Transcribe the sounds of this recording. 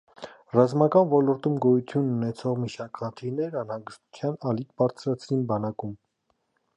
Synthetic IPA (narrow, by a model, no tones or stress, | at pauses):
rɑzmɑkɑnvɔlɔɾt̪umɡɔjut͡s̪ʰjununɛt͡sʰɔʁmiʃɑɾkχənt̪ʰiɾnɛɾɑnhɑŋɡəst̪u̥t͡sʰjɑnɑlikʰbɑɾt͡sʰɾɑt͡sʰɾinbɑnɑkum